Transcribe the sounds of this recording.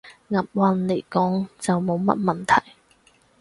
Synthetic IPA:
ŋɐ˨p̚wɐ˧nle˨˩jkɔː˨˥ŋt͡sɐ˨wmo˨˧wmɐ̰˥t̚mɐ˨nt̪ʰɐ˨˩j

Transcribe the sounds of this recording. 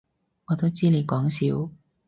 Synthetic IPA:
ŋɔː˨˧t̪o˥wt͡siː˥ne˨˧jkɔː˨˥ŋsiː˨˥w

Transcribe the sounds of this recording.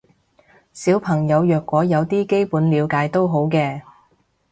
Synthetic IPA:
siː˨˥wpʰɐ˨˩ŋjɐ˨˧wjœː˨kːwɔː˨˥jɐ˨˧wt̪iː˥ke˥jpuː˨˥nliː˨˧wkaː˨˥jt̪o˥wɦo˨˥wkɛː˧

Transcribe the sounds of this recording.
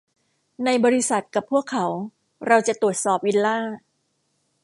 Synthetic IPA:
na˧jbɔː˧ɾi˦˧˥sa˨˩t̪̚ka˨˩pʰːu˥˩əkʰːa˩˦˥w | ɾa˧wt͡ɕa˨˩t̪u˨˩ə˩t̪̚sɔː˨˩p̚ʔi˧nlaː˥˩

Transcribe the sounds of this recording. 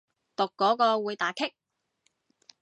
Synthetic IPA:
t̪ʊ˨kːɔː˨˥kɔː˧wuː˨˧jt̪aː˨˥kʰɪ˥k̚

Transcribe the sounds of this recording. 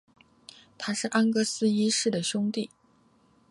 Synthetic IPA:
t̪ʰa˥ʂɻ̩˥˩ʔa˥nkɤ˥sɹ̩˥i˥ʂɻ̩˥˩d̪ə˩ɕʊ˥ŋt̪i˥˩

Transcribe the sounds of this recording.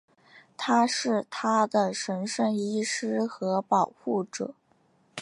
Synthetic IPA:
t̪ʰa˥ʂɻ̩˥˩t̪ʰa˥d̪ə˨ʂə˧˥nʂə˥˩ni˥ʂɻ̩˥xɤ˧˥pɑ˨˩ʊxu˥˩ʈ͡ʂɤ̰˨˩˦

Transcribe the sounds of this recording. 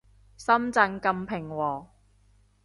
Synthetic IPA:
sɐ˥mt͡sɐ˧ŋkɐ˧mpʰɪ˨˩ŋwɔː˨˩

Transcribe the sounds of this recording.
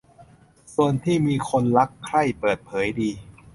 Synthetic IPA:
su˨˩ənt̪ʰiː˥˩miː˧kʰo˧nla˦˥kʰːɾa˥˩jpɤː˨˩t̪̚pʰɤː˩˦jdiː˧

